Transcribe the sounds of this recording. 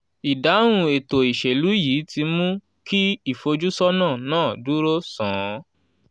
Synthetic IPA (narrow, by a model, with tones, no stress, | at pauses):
i˨da˨˦ɾ̃ũ˧e˨to˨i˨ʃe˨lu˨˦jiː˨˦ti˧mũ˦ | ki˦i˦˨fo˧d͡ʒu˦sɔ˦nãː˦˨nãː˦˨du˨˦ɾo˦sã˨˦